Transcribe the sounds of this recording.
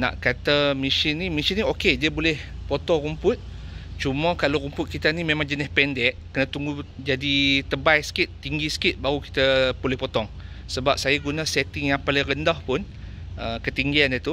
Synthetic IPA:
nã̰ʔkat̪amiʃinːimisinĩokediəbolɛh | pot̪ɔŋrumpʊt̪̚ | t͡ʃuməkaloɾumpʊt̪̚kit̪animẽmãŋd͡ʒənɪhpɛndɛʔkənat̪uŋɡud͡ʒadit̪əbajsə̥kɪt̪ːiŋɡisə̥kɪt̪̚baɾuki̥t̪əpolɪhpɔt̪ɔŋ | səbap̚sajaɡunãsɛt̪ɪŋjaŋpalɪŋrəndahpʊn | ʔəkət̪iŋɡianjət̪u

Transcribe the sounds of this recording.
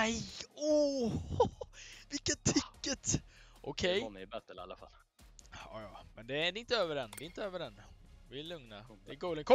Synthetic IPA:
ɛjɔ | vɪkːat̪ʰːɪkːət̪ | ʔɔkʰɛjnɛbɛt̪ːa̰lːa̰fa̰lː | ɑ̰ːjɑːmɛnd̪ɛd̪ɛɪnt̪əøːvəɾɛnd̪ɛɪnt̪əøːvəɖɛn | vɪlɵŋnad̪̥ɛɛɡuːləŋkʰɔ

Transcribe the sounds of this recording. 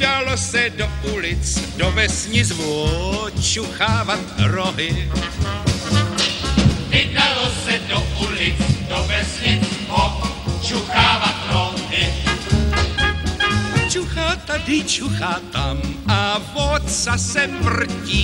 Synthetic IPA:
dalosɛdoʔulɪt͡sdovɛsɲɪzvɔot͡ʃuxaːvat̪ɾoɦɪ | vɪdalosɛdoʔulɪt͡sdovɛsɲɪzvo | t͡ʃuxaːvat̪ɾoɦɪ | t͡ʃuxaːt̪adɪt͡ʃuxaːt̪amavot̪sasɛmr̩ciː

